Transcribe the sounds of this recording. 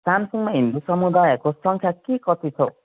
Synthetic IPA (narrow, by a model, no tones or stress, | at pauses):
samsuŋmaɦind̪usʌmud̪ajʌkosʌŋkʰjakekʌt̪it͡sʰʌ